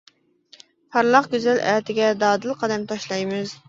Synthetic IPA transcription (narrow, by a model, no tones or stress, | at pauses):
pʰɑɾlˠɑqɡʲyzɛlæːt̪ʰɪɡʲɛd̪ɑːd̪ɨlˠqʰɑd̪ɛmt̪ʰɑʃlˠɑjmɨz̥